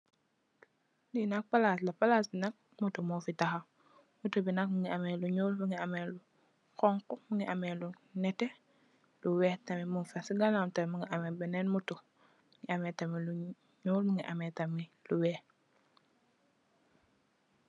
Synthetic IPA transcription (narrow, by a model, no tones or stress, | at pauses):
dinɐk̚palaslɐpalasbinɐk̚ | mutumufitaxɐ | mutubinɐk̚muŋiamɛluɲuːlmuŋiamɛlu | kɔŋkumuŋiʔamɛlu | nɛtɛ | luwɛtɐmimunfɛsiɡalamtɐmuŋiʔamɛbɛnɛnmutu | ŋiamɛtɐmilu | ɲuːlmuŋiʔamɛtɐmiluwɛː